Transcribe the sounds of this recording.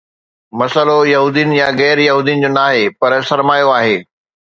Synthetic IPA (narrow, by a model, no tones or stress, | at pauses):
mɐsəlojɐɦuːd̪ijənɪ̆jaɣɛːɾjɐɦuːd̪ijənɪ̆d͡ʑoːnaːɦepɐɾsɐɾmaːjoaːɦeː